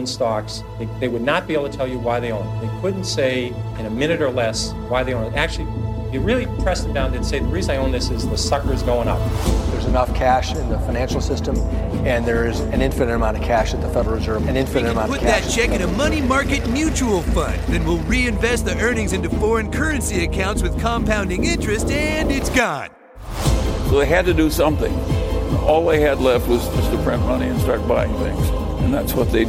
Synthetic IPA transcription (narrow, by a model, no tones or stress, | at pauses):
nstɑks | ðeɪðeɪwɨdⁿnət̚b̥ieb̩lˠtʰɨtʰɛlˠjɨwaɪðeɪõʊ̃nt̪̚ðeɪkʰʊdⁿn̩tseɪɨ̃nɨmɪ̃ñɨɾə˞lɛs | waɪðeɪõʊ̃nɨɾæk̚t͡ʃʉl̩ˠijɨɹɪlˠipʰɹ̥ɛsɨd̥ãʊ̃ndɨ̃nseɪðəɹiznaɪõʊ̃nðɪsɨzðəsʌkə˞ɨzɡoʊɪ̃ŋʌ̰p̚ðə˞zɨnʌfkʰæʃɨ̃nðəfaɪ̃næ̃nʃl̩ˠsɪstə̃m | ɨ̃nðə˞ɪzɨ̃nɪ̃ɱfɨ̃nɨ̃əmãʊ̃nəv̥kʰæʃɨt̪̚ðɨfɛɾə˞ɹzɜ˞vɨ̃nɪ̃nfɨ̃nəmãʊ̃pʰʊt̪̚ðɨt̚t͡ʃʰɛkɨ̃nɨmʌñimɑɹkɨt̚mjʉt͡ʃul̩ˠfʌ̰̃nðɨ̃nwɪlˠɹiɨ̃ɱvɛst̪̚ðiʔɜ˞nɪ̃ŋzɪ̃ntʉfɔɹɨ̃nkʰɜ˞ɨ̃nsiɨkʰãʊ̃ntswɨð̥kʰɑ̃mpãʊ̃ndɪ̃ŋɪ̃nt͡ʃɹ̥ɨstɨ̃nɪtsɡ̥ɑ̃n | soʊðeɪɨd̚tɨdɨsʌ̃mθɪ̰̃ŋ | ɔlˠaɪɨdˡlɛft̚wʌzd͡ʒʌzðɨpʰɹ̥ɛ̃n̚mʌñiɨ̃nstɑɹt̚b̥aɪɪ̃ŋθɪ̰̃ŋz | ɨ̃nðætswʌt̪̚ðeɪ